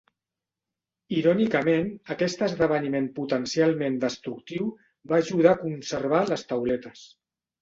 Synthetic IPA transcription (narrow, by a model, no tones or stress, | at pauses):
iɾɔnikəmenəkɛst̪əzðəβ̞ənimemput̪ənsialˠmend̪əst̪ɾuk̚t̪iw | baːʒuð̞aːkunsəɾβ̞aləst̪əwlɛt̪əs